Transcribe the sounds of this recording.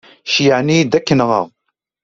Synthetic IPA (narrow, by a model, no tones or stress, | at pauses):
ʃjaʕnid̪ækːənʁɑ̰ʁ